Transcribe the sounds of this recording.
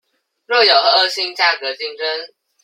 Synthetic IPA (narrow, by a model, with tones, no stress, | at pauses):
ɻo˥˩jo˨˩ʊxɤ˧˦ə˥˩ɕi˥ŋt͡ɕja˥˩kɤ˧˥t͡ɕi˥˩ŋʈ͡ʂə˥n